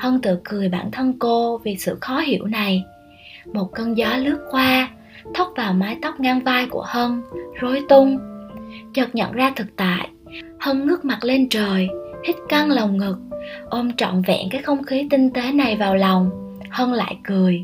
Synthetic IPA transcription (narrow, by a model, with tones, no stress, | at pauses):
hə˧nt̪ɨ̰˧˨kɨ˨˩əjɓaː˧˩nt̪ʰə˧nko˧vi˨˩sɨ̰˧˨xɔ˨˦ɦḭ˧˩əwna˨˩j | mo˨˩t̚kə˧nzaː˨˦lɨ˦˥ək̚xwaː˧ | t̪ʰə˦˥wk͡p̚vaː˨˩wmaː˨˦jt̪ɔ˦˥wk͡p̚ŋaː˧ŋvaː˧jku˧˩əhə˧nzo˨˦jt̪ʊ˧ŋ͡m | t͡ɕə˨˩t̚ɲə̰˧˨nzaː˧t̪ʰɨ˨˩k̚t̪a̰ː˧˨j | hə˧nŋɨ˦˥ək̚ma˨˩t̚le˧nt͡ɕəː˨˩jh̪ʰï˦˥k̟̚ka˧ŋlə˨˩wŋ͡mŋɨ˨˩k̚ʔo˧mt͡ɕɔ̰˧˨nvɛ̰˧˥˨kaː˨˦˥jxə˧wŋ͡mxi˨˦t̪ï˧ŋ̟t̪e˨˦na˨˩jvaː˨˩wla˨˩wŋ͡m | hə˧nla̰ː˧˨jkɨ˨˩əj